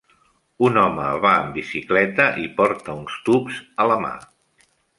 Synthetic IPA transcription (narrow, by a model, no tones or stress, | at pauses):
unɔməβaəmbisiklɛt̪əʔipɔɾt̪əunst̪upzələma̰